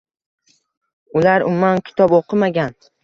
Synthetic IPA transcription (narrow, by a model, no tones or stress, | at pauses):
ʊlaɾʊmːankʲʰɪ̥t̪ʰɒboqʰɨmaɡʲan